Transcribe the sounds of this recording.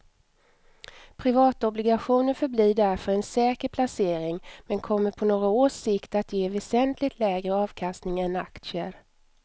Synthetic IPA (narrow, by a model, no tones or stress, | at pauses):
pʰɾɪvɑːt̪ɔblɪɡaɧuːnənfœbliːɖæɾfœɾɛnsɛːkəɾpʰlaseːɾɪŋmɛnkʰɔmːəɾpʰɔnoːɡaoːʂɪkt̪at̪jeːvɛsɛnt̪ʰlɪɡt̪ʰlɛːɡɾəɑːvkʰast̪nɪŋɛnakt̪sɪəɾ